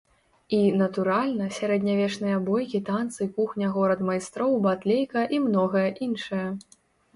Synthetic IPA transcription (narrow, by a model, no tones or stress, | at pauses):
inɐt̪uɾalʲnɐsʲaɾɛd̪ʲnʲavʲɛt͡ʂnɨjɐbɔjkʲit̪ant̪sɨkuxnʲɐɣɔɾɐt̪majst̪ɾɔwbat̪lʲejkɐʔimnɔɣɐjɐʔinʂɐjɐ